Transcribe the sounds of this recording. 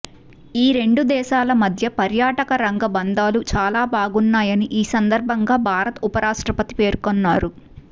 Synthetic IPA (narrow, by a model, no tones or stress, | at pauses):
iːɾe̞ɳɖud̪ɛːʃaːlɐmɐd̪ʱjɐpɐɾjaːʈɐkɐɾɐŋɡɐbɐnd̪aːlut͡ʃaːlaːbʱaːɡunːaːjɐniʔiːsɐnd̪ɐɾbʱɐŋɡaːbʱaːɾɐt̪upɐɾaːʂʈɾɐpɐt̪i̥pe̞ːɾkonːaːɾu